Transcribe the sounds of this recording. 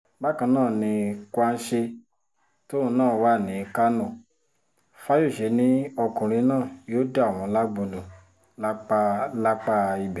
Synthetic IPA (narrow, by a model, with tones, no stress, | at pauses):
ɡ͡ba˦kã˧nãː˦˨nĩ˧kwa˦n̩˦ʃe˧ | to˦ũ˧˦nãː˦˨wa˦˨nĩ˨˧ka˦nɔ̃˦˨ | fa˦jo˦˨ʃe˧˦nĩ˨˦ɔ˧kũ˨ɾ̃ĩ˧˦nãː˦˨joː˦da˦˨w̃ɔ̃˧˨˦la˦ɡ͡bo˧lo˨ | la˦k͡pa˧la˦k͡pa˧i˧bɛ˨